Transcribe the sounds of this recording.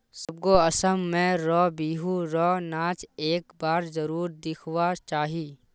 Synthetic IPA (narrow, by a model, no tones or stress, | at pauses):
sɐb̚koɐsəmːẽɾɔːbiːɦuɾɔːnaːt͡ʃeːkbaːɾzəɾuːɾd̪ɪkʰwat͡ʃaːɦiː